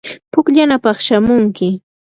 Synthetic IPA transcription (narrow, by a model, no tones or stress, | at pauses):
pʊkʎanapɑχʃamʊŋkɪ